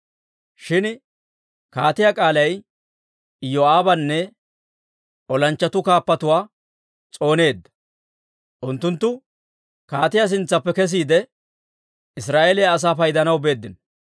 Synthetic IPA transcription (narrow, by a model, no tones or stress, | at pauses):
ʃɪn | kaːt̪ɪjakʼaːlɐj | joaːbɐnːɛ | ɔlɐnt͡ʃːɐt̪ʊkaːpːɐt̪ʊwaː | t͡sʼo̞ːne̞ːd̪ːɐ̥ | ʔʊnt̪ːʊnt̪ːʊ | kaːt̪ɪjas̬ɪnt͡sːɐpːɛkɛs̬iːd̪ɛ | ɪsɾaːʔeːlɛjaɐs̬aːfɐjd̪ɐnɐwbe̞ːd̪ːɪn